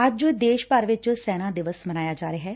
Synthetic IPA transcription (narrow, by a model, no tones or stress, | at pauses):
əd͡ʒd͡ʒoːd̪eːʃpaɾʋɪt͡ʃsɛːnãːd̪ɪʋəsmənaːjaːd͡ʒaːɾeːɦɛː